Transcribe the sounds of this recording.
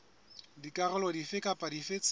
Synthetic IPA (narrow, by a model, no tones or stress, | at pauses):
dikʼaɣɛlɔdifɪkʼapʼadifet͡sʼ